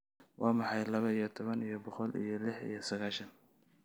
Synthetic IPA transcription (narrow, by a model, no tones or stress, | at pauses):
wʔɑːmɑħɑjlɐβɐijɔt̪ʰɔβɐnijɔbɔqɔlḭjɔlɪħḭjɞsɐɣaːʃɐn